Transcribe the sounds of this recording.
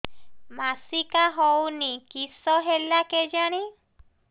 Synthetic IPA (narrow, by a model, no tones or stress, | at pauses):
masikaɦɔwnikisɔɦelaked͡ʒaɽ̃i